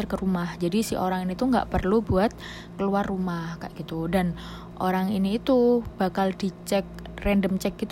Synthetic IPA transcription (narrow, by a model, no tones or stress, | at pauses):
ərkəɾumahd͡ʒadisḭʔoɾaŋinit̪uŋɡa̰ʔpərlubuat̪̚ | kəluarːumahka̰ʔɡ̥it̪udan | ʔo̰ɾaŋiniːt̪ub̥akaldit͡ʃɛk̚ | rɛndəmt͡ʃɛk̚ːit̪